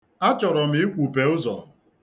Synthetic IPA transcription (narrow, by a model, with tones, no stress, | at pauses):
a˦t͡ʃɔ˨ɾɔ˨m̩˦i˦kʷu˨pe˨ʊ˦zɔ̰˨